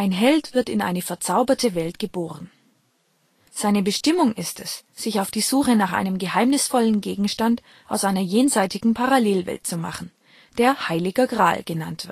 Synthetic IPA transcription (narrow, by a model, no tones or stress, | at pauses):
ʔaɪnɦɛltv̥ɪɐtɪnʔa̰ɪnəfɛɐt͡saʊbɐtʰəvɛltɡ̥əboːʁ̞ən | z̥aɪnəbəʃtɪmʊŋʔɪstɛsz̥ɪçaʊfd̥iːzuːxənaːχʔa̰ɪnəmɡəhaɪmnɪsfɔlənɡeːɡŋ̩ʃtant | ʔaʊsʔaɪnɐjeːnzaɪtɪɡŋ̩pʰaʁaleːlvɛ̰lt̚t͡suma̰χn̩ | d̥eːɐhaɪlɪɡɐɡʁa̰ːlɡ̥əna̰ntv̥ɪɐt